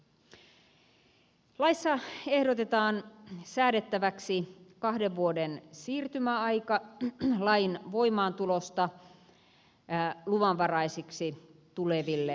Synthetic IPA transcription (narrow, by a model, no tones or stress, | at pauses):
lɑisːɑe̞hɾot̪et̪ɑːnsæːɾet̪ːæʋæksikɑhdeʋʋuodensiːrt̪ymæɑikɑlɑinʋoimɑːnt̪ulost̪ɑ | luʋɑnʋɑrɑisiksit̪uleʋilːe